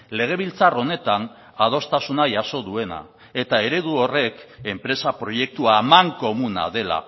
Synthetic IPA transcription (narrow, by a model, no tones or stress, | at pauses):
le̞ɣ̞e̞βilt͡saro̞ne̞t̪an | að̞o̞st̪asunaʝaso̞ðue̞na̰ | e̞t̪ae̞ɾe̞ðuo̞re̞ke̞mpɾe̞sapɾo̞je̞k̚t̪uaːmaŋko̞muna̰ðe̞la̰